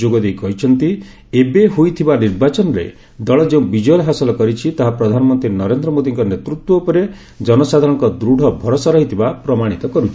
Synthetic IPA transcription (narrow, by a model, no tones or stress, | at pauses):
d͡ʒoɡɔd̪ejkɔɦit͡ʃʰɔnt̪i | ebeɦujt̪ʰibaniɾbat͡ʃɔnɾḛ | d̪ɔɭɔd͡ʒeũbid͡ʒɔjɔlɦasɔlɔkɔɾit͡ʃʰit̪aɦapɾɔd̪ʱanɔmɔnt̪ɾinɔɾend̪ɾɔmod̪iŋkɔnet̪ɾut̪wɔupɔɾe | d͡ʒɔnɔsad̪ʱaɾɔŋkɔd̪ɾuɽʱɔbʱɔɾɔsɔɾɔɦit̪ʰibapɾɔmaɽ̃it̪ɔkɔɾut͡ʃʰi̥